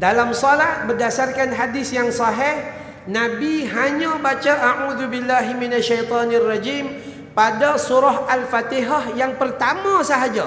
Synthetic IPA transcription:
dalamsɔlahbərdasarkanɦadɪsjaŋsɑɦɪh | nabiɦaɲabat͡ʃaʔaʔuðubilːaɦiminaʃːajt̪ɔnɪrːɑd͡ʒim | padasuɾaɦalfat̪iɦahjaŋpərt̪amasaɦad͡ʒa

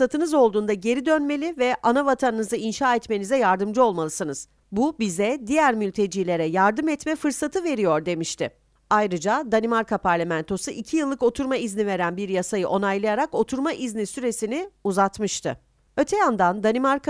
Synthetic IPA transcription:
sat̪ʰɯnɯzo̞lˠd̪uːnd̪aɟe̞ɾid̪ønme̞lʲivɛʔanavat̪ʰanɯnɯzainʃaːɛt̪me̞nizɛjaɾd̪ɯmd͡ʒɯo̞lˠmalˠɯsɯnɯz̥ | bubizɛd̪ijæɾmylʲt̪ʰe̞d͡ʒiːlʲe̞ɾɛjaɾd̪ɯmɛt̪mɛfɯɾsat̪ʰɯve̞ɾijo̞ɾd̪e̞miʃt̪ʰɪ̰ | ajɾɯd͡ʒad̪animaɾkapʰaɾlʲemænt̪ʰo̞suʔicʰijɯlˠːɯko̞t̪ʰuɾmaiznive̞ɾænbiɾjasajɯʔo̞najlˠɯjaɾako̞t̪ʰuɾmaʔiznisyɾe̞sinɪuzat̪mɯʃt̪ʰɯ̰ | øt̪ʰɛjand̪and̪animaɾka

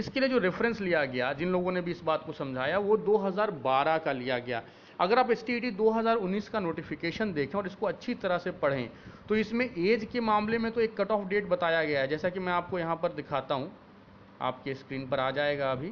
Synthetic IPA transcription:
ɪskelied͡ʒoːɾɪfɾə̃nslijaɡɐjad͡ʒɪnloːɡõnebʱiɪsbaːt̪kosɐ̃md͡ʒʱaːjaʋod̪oːɦɐzaːɾbaːɾakalijaɡɐja̰ː | ɐɡəɾaːpɛsʈiʈid̪oːɦɐzaːɾʊnːiːskanoːʈɪfɪkeːʃənd̪eːkʰẽɔːɾɪskoɐtːʃʰit̪ɐɾəɦsepɐɽ̤ḛ̃ːt̪oɪsmẽʔeːd͡ʒkemaːmlemẽt̪oeːkːɐʈɔːfɖeːʈ̚bɐt̪aːjaɡɐjaɦɛd͡ʒɛːsakimɛ̃aːp̚kojɐɦãpɐɾd̪ɪkʰaːt̪aɦũ | a̰ːp̚keskɾiːnpɐɾaːd͡ʒaːeːɡaɐbʱiː

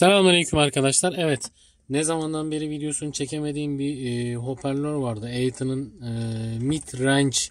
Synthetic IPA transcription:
sɛmaaɾajycʰymaɾkʰad̪aʃlˠaɾɛvɛt̪ | nɛzamand̪anbe̞ɾivid̪ejo̞sunut͡ʃʰe̞cʰeme̞d̪iːnbiɦo̞pʰæɾlʲøɾvaɾd̪ɯejt̪ʰɯnɯnɯmit̪ʰɾænt͡ʃ

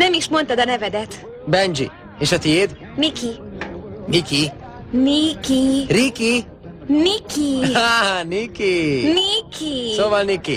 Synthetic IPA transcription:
nɛmiʃmo̞nt̪ɒd̪ɒnɛvɛd̪ɛt̪ | bɛnd͡ʒḭ | eːʃɒt̪ijeːd̪ | miki | miki | nikiriki | nikianikinikʰisoːvɒlniki

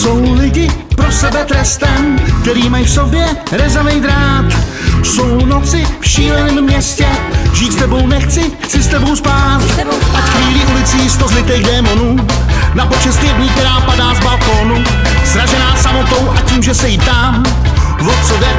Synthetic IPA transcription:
so̞wlɪɟɪpɾosɛbɛt̪ɾɛst̪ɛmk̚t̪ɛɾiːmajfso̞bjɛɾɛzɛvɛjd̪ɾaːt̪so̞wnot͡sɪfʃiːlɛnɛːmːɲɛscɛʒiːt̪st̪ɛbo̞wnɛxt͡sɪxt͡sɪst̪ɛbo̞wspaːt̪t̪ʔacxviːlɪʔulɪt͡siːst̪ozlɪt̪ɛjɣdɛːmo̞nu | napo̞t͡ʃɛst̪ɪjɛdɲɪːk̚t̪ɛɾaːpadaːvbalkoːnu | sɾaʒɛnaːsamo̞t̪o̞wʔaciːmʒɛsɛjit̪am | vot͡sodɛ

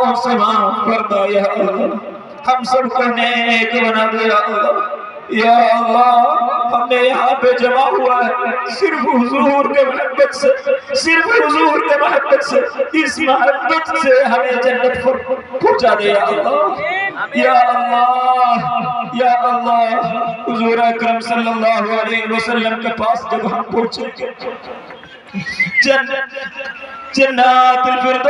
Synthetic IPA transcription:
ʊseʋakɐɾd̪ajaːʔɐlːaː | hɐmsɐbkɐɦnẽeːkbɐnaːd̪ejaːt̪a | jaːɐlːaːɦɐmnejɐɦãped͡ʒɐmaɦuasɪɾfɦʊzuːɾkemɐɦɐbːət̪sesɪɾfɦʊzuːɾkemɐɦəbːət̪seɪsmɐɦɐt̪ːət̪seɦɐmẽd͡ʒɐnːət̪pɐɾpɔ̃ːt͡ʃad̪ejalaː | jaːʔɐlːɑː | jaːʔɐlːaːɦɦʊzuːɾeɐkɾəmsɐlːəlːaːɦoəleːɦɪʋəsəlːəmkepaːsd͡ʒ̪ɪɡaːnpɔ̃ɦt͡ʃee | d͡ʒɐnː | d͡ʒɐnːət̪ɪlpɪɾd̪

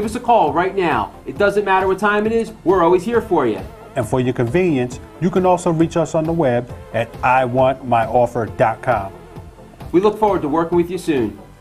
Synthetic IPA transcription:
ɪvʌsɨkʰɔlˠɹaɪtⁿnaʊ | ɨt̚d̥ʌzɨ̃nmæɾə˞wʌtʰãɪ̃mɨɾɪzwɪɹɔlˠwiz̥hiɹfə˞jɨ̰ | ɨ̃nfə˞jə˞kɨ̃ɱvĩnjɨ̃ns | jɨkɨ̃nɔlˠsoʊɹit͡ʃʌsn̩ðəwɛbɨɾaɪwɑ̃nmaɪʔɔfə˞dɑt̚kʰɑ̃m | wilʊkfɔɹwə˞d̚təwɜ˞kɪ̃ŋwɨðjɨsʉ̃n

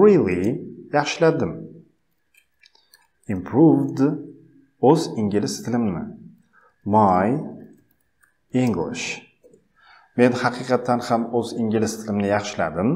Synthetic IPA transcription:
ɾilˠijɑχʃɪlad̪ɪm | impʰɾuvd̪ | ɵziŋɡʲɪlɪst̪ʰɪlɪmnɪ̰ | maj | iŋɡlˠɪ̰ʃ | me̞nhɑqʰɨqʰɑt̪ʰːanhamɵziŋɡʲɪlɪst̪ʰɪlɪmnɪjɑχʃɪla̰d̪ɪm

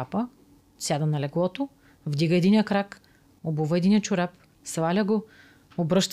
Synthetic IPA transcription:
apə | sʲjad̪ɐnɐlɛɡlˠɔt̪o | vd̪iɡəɛd̪inijəkɾak | obuvəɛd̪inʲiət͡ʃʊɾap̚ | svˠalʲəɡo | obɾɤʃt̪

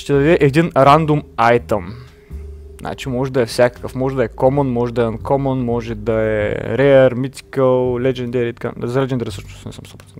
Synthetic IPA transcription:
ʃt̪ɛd̪ɐd̪ɛʔɛd̪inɾand̪umajt̪əm | znʔa̰t͡ʃimɔʒɛd̪ɐɛfsʲakə̥kəfmɔʒɛd̪ɐɛkɔmənmɔʒɛd̪ɐɛd̪ɛnkɔmənmɔʒɛd̪ɐɛ̰ɾɛɾmit̪ʲi̥kəlˠlʲɛd͡ʒɛnd̪ɛɾit̪ka̰zɐlɛd͡ʒʲɛnd̪ɛɾisəʃnʊst̪nʲɛ̰səmsobɾɐz

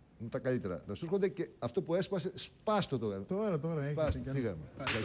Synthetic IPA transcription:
nut̪ɐkɐlit̪eɾɐ̰nɐsuɾxond̪ece̞ɐft̪o̞pue̞spɐse̞spɐst̪ot̪okɐnt̪oɾɐt̪oɾɐpɐsofiɣɐmekɐ

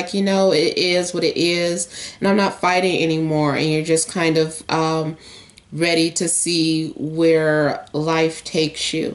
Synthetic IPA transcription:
ɪkʰjɨnoʊɪɾʔɪzwʌɾɨɾʔɪzɨ̃nãɪ̃mnətfaɪɾɪ̃ŋɛ̰nimɔɹɨ̰̃njə˞d͡ʒʌskʰãɪ̃ndʌv̥ʔʌ̃m | ɹɛɾiɾɨsiwə˞laɪftʰeɪksjʉ̰

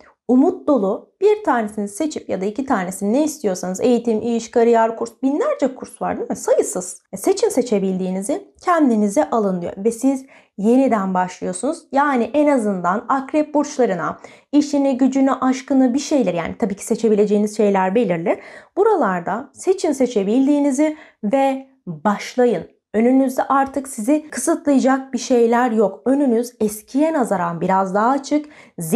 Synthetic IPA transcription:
umut̪̚d̪o̞lˠub̥iɾt̪ʰaːne̞sinizse̞t͡ʃʰipjad̪aicit̪ʰaːne̞sininejist̪ʰijo̞ɾsanɯze̞jit̪ʰimʔijiʃkʰaɾɯjaɾkʰuɾsbinlʲæɾd͡ʒɛkʰuɾsva̰ɾd̪imisajɯsɯz̥se̞t͡ʃʰimse̞t͡ʃʰe̞bilʲd̪iːnizincʰɛnd̪inizɛʔalˠɯnˠɯjo̰vɛsiz | je̞nid̪ænbaʃlˠɯjo̞sunuz̥jaːniʔenazɯnd̪anakɾɛp̚boɾt͡ʃlˠaɾɯna̰ | iʃiniɟyd͡ʒynyʔaʃkɯnɯbiʃe̞jlʲɛɾja̰ːnit̪ʰabiːcʰi̥se̞t͡ʃʰe̞bilʲe̞d͡ʒe̞jinizʃe̞jlʲæɾbe̞lʲiɾlʲiɾ̥b̥uɾalˠaɾd̪ase̞t͡ʃʰinse̞t͡ʃʰe̞bilʲd̪iːnizi | vɛ | baʃlˠajɯn | ø̞nynyzd̪ɛʔaɾt̪ʰɯksizɪkʰɯsɯt̪lˠɯjad͡ʒak̚biʃe̞jlʲæɾjokø̞nynyzɛscʰijɛnazaɾanbiɾazd̪aɦaːt͡ʃʰɯkz

